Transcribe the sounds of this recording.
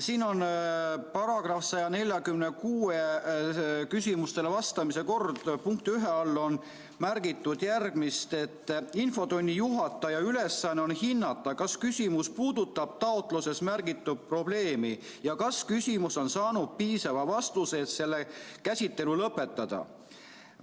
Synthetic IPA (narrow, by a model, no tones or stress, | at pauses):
siːno̞npɑɾɑɡ̥rɑfsɑjɑne̞lʲjɑkymnekuːe | kysʲimust̪e̞levɑst̪ɑmise̞ko̞rd̪̥puŋkt̪yɦeɑlːo̞n | mærɡ̥it̪ːˑud̪̥jærɡ̥mist̪e̞t̪ːinfo̞d̪o̞nʲːijuɦɑt̪ːˑɑjɑyle̞sːɑnːeo̞nhinːɑt̪ːˑɑkɑskysʲimuspuːd̪̥ut̪ˑːɑb̥̚t̪ɑot̪ˑluse̞smærɡit̪ːud̥̪̚pro̞b̥le̞ːmi | jɑkɑskysʲimuso̞nsɑːnud̪̥̚piːsɑvɑvɑst̪useːt̪se̞lːekæsʲit̪ːe̞lulɤpːˑe̞t̪ːˑɑd̪̥ɑ̰